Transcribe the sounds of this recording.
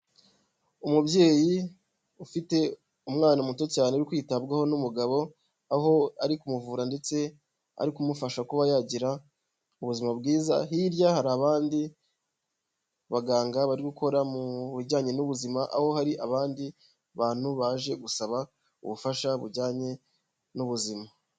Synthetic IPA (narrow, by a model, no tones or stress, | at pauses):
umubɟe̞ːji | ufite̞ | umŋaːnamuto̞caːneuɾikwiːtabɡaho̞numuɡaβo̞ | aɦo̞aɾikumuvuːɾande̞t͡se̞ | a̰ɾikumufaʃakuβajaːɟiɾa | uβuzimabɡiːza̰hiɾjahaɾaβaːndi | βaɡaːŋɡaβaɾiɡukʰo̞ɾamuβuɾɟaːɲe̞nuβuzimaʔa̰ho̞haɾiʔaβaːndi | βaːn̥huβaːʒe̞ɡusaβa | ṵβufaʃaβuɾɟaːɲe̞ | nuβuzima